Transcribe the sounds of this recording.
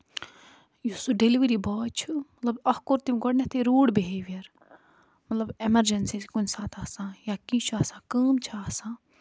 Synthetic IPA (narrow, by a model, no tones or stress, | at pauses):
jusuɖeliʋɾibɔːt͡ʃʰummɐt̪lɐbɐhkoɾt̪imɡɔɽnet̪ʰeɾuːɽbiɦeːʋijɐɾ | mɐt̪lɐbemɐɾd͡ʒensiskunsaːt̪ʰaːsãːjakĩt͡ʃʰuaːsãːkəːmt͡ʃʰaaːsãː